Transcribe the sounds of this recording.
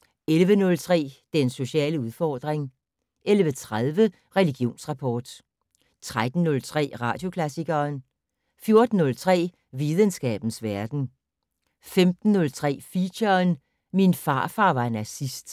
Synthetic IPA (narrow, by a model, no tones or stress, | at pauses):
elʋənɔ̽lt͡sʰʁɛ̰ːd̥enso̝ɕɛ̰ːləuðˠfɒːd̥ʁeŋ | ʔelʋət͡sʰʁaðˠʋə | ʁɛliɡ̥jo̝̰ːnsʁɑ̈pʰɒ̰ːd̥ | t͡sʰʁad̥n̩ːɔ̽lt͡sʰʁɛ̰ːʁɑ̈ːd̥jo̝kʰlæsiɡ̥ɐːn | fjo̝ɐd̥n̩ːɔ̽lt͡sʰʁɛ̰ː | ʋiðˠənsɡ̥ɛ̰ːb̥n̩sʋæɐd̥n̩ | femd̥n̩ːɔ̽lt͡sʰʁɛ̰ːfiɕɐn | minfɑ̈ːfɑ̰̈ːʋɑ̈enæsisd̥